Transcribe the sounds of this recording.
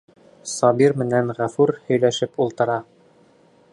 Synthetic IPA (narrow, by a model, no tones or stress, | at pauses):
sɑbiɾmɘ̆nænʁæfʉɾhɵ̆jlæʃɘpulˠt̪ɤ̆ɾɑ